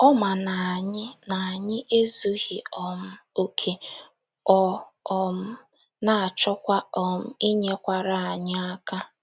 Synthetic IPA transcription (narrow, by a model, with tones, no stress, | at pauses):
ɔ˦ma˨na˨ɲɪ˦na˨a˨ɲɪ˦ʔe˦zu˦ɣi˨ɔ˨m̩˦o˦kʰe˨ | ɔ˦ɔ˨m̩˦ | na˨a˨t͡ʃɔ˦kʷa˦ɔ˨m̩˦i˦ɲe˦kʷa˦ɾa˦a˨ɲɪ˦a˦ka˦